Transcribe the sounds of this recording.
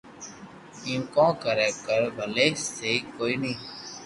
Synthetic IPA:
ĩːũkɔ̃ːkəɾɛːkəɾbʱəleːseːiːkoːiːnĩː

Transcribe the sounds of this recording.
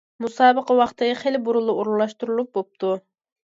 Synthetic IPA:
musɑːbəqɑwɑχt̪ʰɨχelɪbuɾulˠɨuɾlˠlˠɑʃt̪uɾulˠup̚bop̚t̪ʰu

